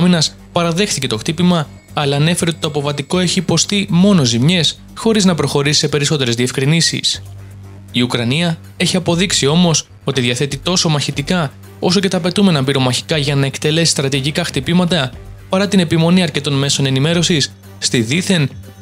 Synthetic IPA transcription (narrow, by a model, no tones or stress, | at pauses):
ɐminɐs | pɐɾɐðe̞xθice̞t̪o̞xt̪ipimɐː | lɐːne̞fe̞ɾeot̪it̪oɐpo̞vɐt̪iko̞e̞çiːpo̞st̪imo̞no̞zimɲe̞s | xo̞ɾiznɐpɾo̞xo̞ɾisi̥se̞pe̞ɾiso̞t̪e̞ɾezðie̞fkɾinisḭs | iukɾɐniɐ | e̞çiɐpo̞ðiksio̞mo̞s | o̞t̪iðiɐθe̞t̪it̪o̞so̞mɐçit̪ikɐ | o̞so̞ce̞t̪ɐːpe̞t̪ume̞nɐmbiɾo̞mɐçi̥kɐʝɐnɐe̞kt̪e̞le̞si̥st̪ɾɐt̪iʝikɐxt̪ipimɐt̪ɐpɐɾɐt̪ine̞pimo̞niɐɾce̞t̪o̞nme̞so̞ne̞nime̞ɾo̞sisː | t̪iðiθe̞n